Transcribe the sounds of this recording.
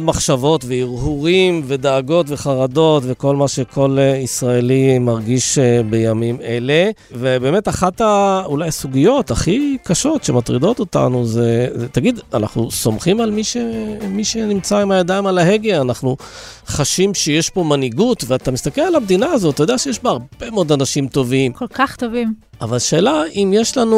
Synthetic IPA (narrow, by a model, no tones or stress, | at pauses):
maχʃavo̞t̪veiʁhuʁimve̞d̪aːɡo̞tve̞χaʁad̪o̞tve̞ko̞lmaʃe̞kʰo̞leisʁaelimaʁɡiʃbe̞jamime̞le̞ | vebe̞me̞taχat̪aulajasuɡijo̞t̪aχikaʃo̞t̪ʃematʁid̪o̞t̪o̞ta̰nuzet̪aɡid̪ana̰χnuso̞mχimalmiʃemiʃenimt͡saimajad̪aimalaɦe̞ɡeanaχnu | χaʃimʃejeʃpo̞maniɡut̪veat̪amist̪akelalabd̪inaːzot̪ːajod̪eaʃejeʃbaaʁb̥emeod̪anaʃimt̪o̞vimkolkaχt̪ovimavalʃe̞ːlaʔimjeʃlanu